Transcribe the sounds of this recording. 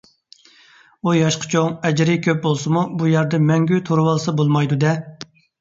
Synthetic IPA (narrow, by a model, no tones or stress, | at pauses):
ujɑʃqʰɑ̥t͡ʃʰoŋɛd͡ʒɾɪkʲʰøp̚bolˠsɨmubujæɾd̪ɛmɛŋɡʲyt̪ʰoɾwɑlˠɨsɑbolˠmɑjd̪ud̪ɛ